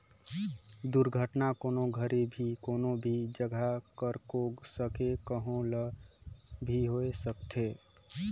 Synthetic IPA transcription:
d̪uɾɡʱəʈnakoːnoɡʱəɾibʱikonobʱid͡ʒəɡʱakəɾkoɡsəkekəɦõlə | bʱiɦoesəkt̪ʰe

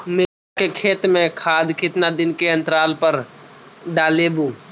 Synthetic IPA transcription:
mɪɾakekʰeːt̪mẽkʰaːd̪kɪt̪nad̪ɪnkeə̃nt̪ɾaːlpəɾ | ɖaːlebũː

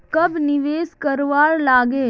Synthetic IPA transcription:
kɐbnɪʋeːskəɾʋaːɾlaːɡeː

